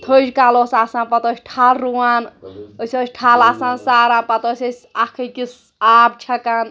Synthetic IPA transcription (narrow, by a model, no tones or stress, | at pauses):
t̪ʰod͡ʒkalosasãːnpɐt̪ot͡ʃʲʈʰalɾuwanəsʲot͡ʃʲʈʰaːlasãnsaːɾãːpɐt̪osʲɐsʲakʰəkis | aːb̚t͡ʃʰɐkan